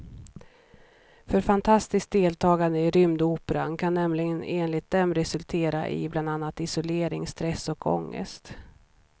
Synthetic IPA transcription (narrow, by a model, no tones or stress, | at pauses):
fœɾfant̪ʰast̪ɪsk̚d̪eːlt̪ʰɑːɡand̪əɪɾʏmd̪uːpɛɾa̰nkʰanːɛmlɪɡəneːnlɪt̪̚d̪ɛmɾɛsɵlt̪ʰeːɾa̰ʔɪ̰bland̪anːat̪ɪsʊleːɾɪŋst̪ɾɛsɔkʰɔ̰ŋːə̰st̪